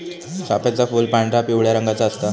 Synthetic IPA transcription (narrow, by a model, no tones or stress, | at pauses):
sapjat͡safuːlpaɳʈapiʋɭjaɾəŋɡat͡saːst̪a